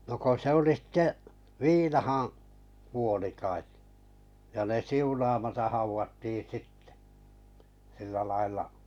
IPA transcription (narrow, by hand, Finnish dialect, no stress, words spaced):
no ko se oli sĭtːe ʋiːnɑhɑ̃ː kuoli kɑet jɑ ne siunɑmɑtɑh̆ hɑuʋɑtːi sitːe̥ silːæ lɑilˑɑ